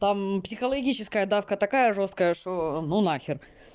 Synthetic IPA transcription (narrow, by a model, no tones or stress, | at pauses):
t̪ampsʲɪxəlˠɐɡʲit͡ɕɪskəjəd̪afkət̪ɐkajəʐo̞st̪̚kəjəʂt̪onunaxʲɪr